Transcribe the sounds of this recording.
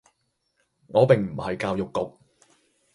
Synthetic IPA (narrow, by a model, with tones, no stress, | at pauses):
ŋɔː˨˧pɪ˨ŋm̩˨˩hɐ˨jkaː˧wjʊ˨kːʊ˨k̚